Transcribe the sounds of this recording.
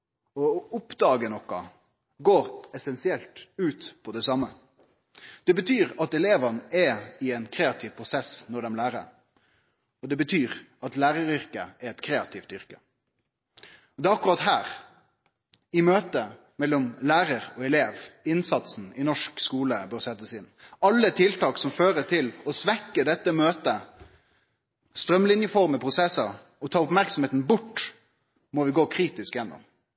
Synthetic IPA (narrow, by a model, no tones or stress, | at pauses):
ɔʊpd̪ɑːɡənɔkːɑ | ɡoːɾɛsɛnsɪɛlt̪ʉːt̪pʰɔd̪ɛsɑmːə | d̪̥ɛbət̪ʰyːʁɑt̪ɛleːʋənɛɪɛnkʰɾeːɑt̪ʰɪːʋpʰʁʊsɛsnɔɖ̪ɛmlæːɾə̰ɾ | ɔd̪ɛbət̪ʰyːʁɑt̪læːɾəɾʏʁkəʔɛɾɛt̪kʰɾeːɑt̪ʰɪft̪ʏʁkə | ɔd̪ɛːɑkːʊʁɑt̪ɦæːʁ | ɪmøːt̪ə | mɛlːɔmlæːɾəɾɔɛleːʋɪnsɑt̪sn̩ɪnɔʂkskuːləbøːʁsɛt̪ːəsɪnːɑlːət̪ʰɪlt̪ʰɑːksɔmføːɾət̪ʰɪlɔsʋɛkːəd̪ɛt̪ːəmøːt̪ə | st̪ɾœmlɪnjəfɔʁməpʰʁʊsɛsə | ɔt̪ʰɑːʁʊpmæɾksɔmheːt̪n̩bʊʈː | mɔʋɪɡoːkʰɾiːt̪ɪskjɛnːɔ̰m